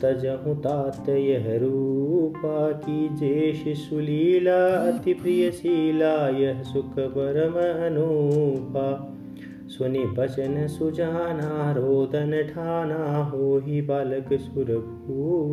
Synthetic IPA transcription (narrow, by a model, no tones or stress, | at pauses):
t̪ɐd͡ʒɐɦũt̪aːt̪jɐjɐɦɾuːpaːkid͡ʒeːʃisuliːlaːɐt̪ipɾijɐsiːlaːjɐɦsukʰɐbɐɾɐmɐɐnupaː | sɐnibɐt͡ʃɐnɐsud͡ʒaːnaːɾoːd̪ɐnɐʈʰaːnaːɦoːɦibaːlɐksuɾɐk | uː